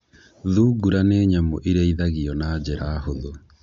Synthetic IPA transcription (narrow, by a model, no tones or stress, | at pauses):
ðuːɡuɾaneːɲamoʔiɾeiðaɣiɔnaːd͡ʑɛɾaːhoðo